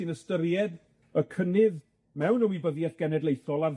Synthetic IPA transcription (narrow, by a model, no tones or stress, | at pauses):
ɨnəstəɾjɛd | əkʰənɪð | mɛwnəwibəðjətɡ̥ɛnɛdlˠejθɔlˠar